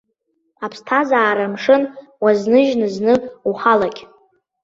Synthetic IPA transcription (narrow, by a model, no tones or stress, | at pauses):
apʰstʰazaːɾamʂɨn | waznɨʒnɨznɨuχalakʲʼ